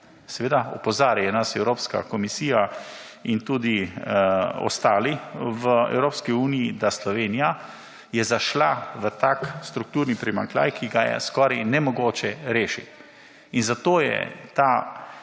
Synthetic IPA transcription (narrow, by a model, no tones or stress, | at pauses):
sɛʋeːd̪aɔpɔzaːɾajɛnasɛwɾoːpska̰kɔmisiːja | int̪uːd̪i | ɔ̰st̪aːliʋəɛ̰wɾoːpskiuːnijid̪aslɔʋeːnija | jɛzaʃlaʋət̪akst̪ɾuk̚t̪uːɾnipɾima̰ŋkla̰ːjkʰiɡajɛ̰skɔːɾajnɛmɔɡoːt͡ʃɛɾeːʃḭt̪ | inzat̪oːjɛ̰t̪a